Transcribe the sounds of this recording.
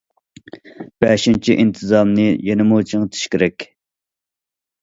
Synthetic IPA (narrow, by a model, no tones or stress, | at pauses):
b̥ɛʃint͡ʃʰiʔint̪ʰɨzɑmnɨjenɨmut͡ʃʰiŋt̪ʰy̥ʃkʲiɾɛkʲ